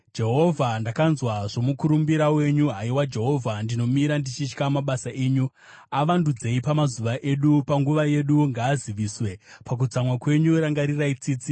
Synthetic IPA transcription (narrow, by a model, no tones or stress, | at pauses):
d͡ʒe̞ɦo̞vʱandakanzwaʐo̞mukuɾumbiɾawe̞ɲuɦaiwad͡ʒe̞ɦo̞vʱandino̞miɾandit͡ʃit͡ʃkamaɓasaʔe̞ːɲu | aʋandud͡ze̞ipamazuʋaʔe̞ɗupaŋɡuʋaje̞ɗuŋɡaːziʋiːswe̞pak̬ud͡zamwakwe̞ɲuɾaŋɡaɾirait͡siːt͡si